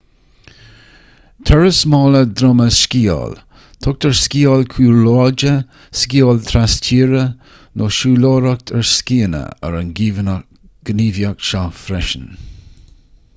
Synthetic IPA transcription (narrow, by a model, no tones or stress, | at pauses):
t̪ʰɛɹəsmɑːləd̪ɾɔməskiːɔ̰l | t̪ʰʊk̚t̪əɹskiːɔlkʰuːloːd͡ʒə | skiːɔlt̪ʰɾastʰiːɾə | nʔoʃuːloːɾək̚tʰəɹskiːənə̰ə̰ɹənɡiːvn | ɡ̥əniːvjakʃafɾɛʃən